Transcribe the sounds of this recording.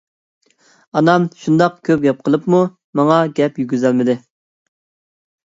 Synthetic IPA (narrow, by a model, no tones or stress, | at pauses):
ɑnɑmʃund̪ɑqkʲʰøp̚ɡʲɛp̚qʰəlˠəpmu | mɑŋɑɡʲɛpjyɡʲyzælmɪd̪ɪ